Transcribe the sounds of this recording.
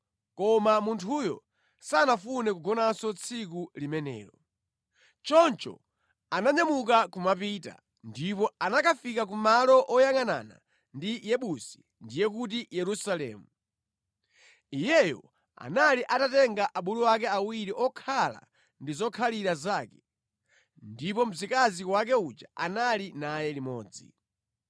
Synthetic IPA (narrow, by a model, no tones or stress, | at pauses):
kɔmamuntʰujɔ̰ | saːnafunɛkuɡɔnansɔt͡sʰikulimɛnɛ̰ːɾɔ | t͡ʃɔnt͡ʃɔ̰ | anaɲamuk̬akumapita̰ | ndipɔanakʰafikak̬umalɔʔɔjaŋana̰na̰ | ndijɛɓusi̥ | ndijɛkut̬ijɛɾusalɛ̰ːmu | ijɛjɔ̰ | a̰naliʔatatɛŋɡaʔaɓuluak̬ɛawiɾiʔɔkʰala̰ | ndizɔkʰaliɾazaːkɛ̥ | ndipɔm̩zikaziwak̬ɛut͡ʃa̰analinajɛlimɔːd͡zḭ